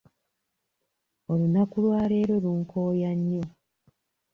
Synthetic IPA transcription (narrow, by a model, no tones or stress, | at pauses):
olunakulwaːle̞ːɾo̞luŋkʰoːjaɲːo̞